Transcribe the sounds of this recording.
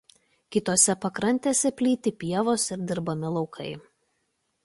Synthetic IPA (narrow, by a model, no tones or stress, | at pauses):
kʲɪt̪oːsʲɛpɐkɾɐnʲt̪ʲeːsʲɛpʲlʲiːt̪ʲɪpʲiɛʋoːsɪɾd̪ʲɪɾbɐmʲɪlˠɒʊkʰɐɪ